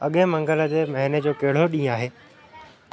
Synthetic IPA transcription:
ɐɠẽmɐ̃ŋɡələ̆d͡ʑeːmɐɦɪned͡ʑoːkeɦɪɽ̤oɗĩːaːɦeː

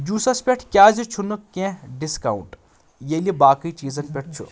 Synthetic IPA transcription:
d͡ʒuːsɐspʲeʈʰkʲjaːzit͡ʃʰunɨkẽɖiskaṵɳʈ | jelibaːkəit͡ʃiːzɐnpʲeʈ̚ʰt͡ʃʰṵ

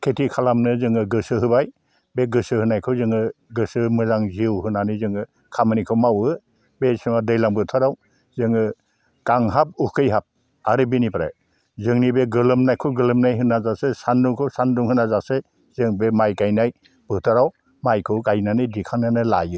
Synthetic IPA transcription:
kʰetʰikʰalamnɯzɯŋɯɡɯsɯɦɯbaj | beɡɯsɯhɯnajkʰɯwzɯŋɯɡɯsɯmɯzaŋziwhɯnanɯzɯŋɯ | kʰamɯnikʰɯwmawɯ | besɯŋadɯjlaŋbɯtʰaɾaw | zɯŋɯ | kaŋɦap̚ukʰɯjɦap̚ | aɾɯbinipɾa̰j | zɯŋnibeɡɯlɯmnajkʰɯɡɯlɯmnajɦɯnːazaksesanduŋkʰɯwsanduŋhɯnazakse | z̥ɯŋbemajkajnaj | b̥ɯtʰaɾaw | majkʰɯwkajnanɯjdikʰaŋnanɯla̰jɯ

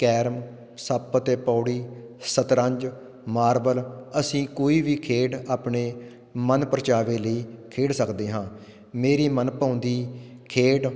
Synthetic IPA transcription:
kɛːɾm | səpt̪eːpɔːɽiːsət̪ɾə̃ɲd͡ʒ | maːɾbələsĩːkoːiːʋiːkʰeːɖaːpɳeː | mənpəɾət͡ʃaːʋeːləiːkʰeːɖsəkd̪eːɦãː | meːɾiːmənpaːnd̪iːkʰeːɖ

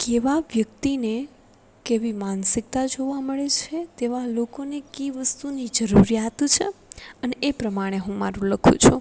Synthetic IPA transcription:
keʋaʋjək̚t̪ine | keʋimansɪk̚t̪ad͡ʒoʋaməɭet͡ʃʰet̪eʋalokonekiʋəst̪unid͡ʒəɾuɾijat̪t͡ʃʰḛəneʔepɾəmaɽ̃eɦũmaɾũləkʰṵ̃t͡ʃʰu

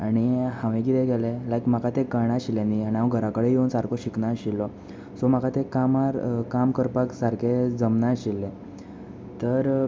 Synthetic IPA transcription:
aɽ̃ihãʋẽkit̪ɛɡɛlelajkm̤akat̪ekəɾɳaɕiljaniaɽ̃iaʋəɡʱəɾakəɽejeunsaɾkʰoɕiknaɕilːɔ | sɔm̤akat̪ekamaɾkamkəɾpaksaɾkʰed͡zəmnaɕilːẽ | t̪əɾ

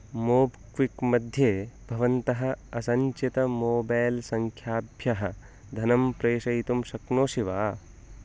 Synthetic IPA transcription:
moːbkʋikmɐd̪ʱjeːbʱɐʋɐnt̪ɐɦɐ̆ɐsɐɲt͡ʃit̪ɐmoːbaːlsɐŋkʰjaːbʱjɐɦɐ̆ | d̪ʱɐnɐmpɾeːʃɐjt̪umʃɐknoːʃiʋaː

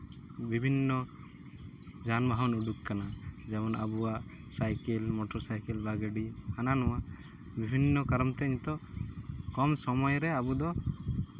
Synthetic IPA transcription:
bibʱinːɔ | d͡ʒanbaɦɔnuɖukkanad͡ʒɛmɔna̰buaʔ | sajkɛlmɔʈɔɾsajkɛlbaɡəɖikananɔwa | bibʱinːɔkaɾɔmt̪ɛɲt̪ɔ | kɔmsɔmɔjɾɛabud̪ɔ

